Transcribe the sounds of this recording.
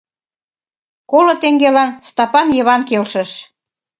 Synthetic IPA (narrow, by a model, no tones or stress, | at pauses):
kolŏt̪eŋɡelɑnst̪ɑpɑnjə̆βɑnkelʃə̆ʃ